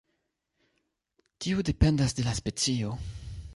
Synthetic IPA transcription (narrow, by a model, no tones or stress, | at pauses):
tiude̞pe̞ndasde̞laspe̞t͡sio̞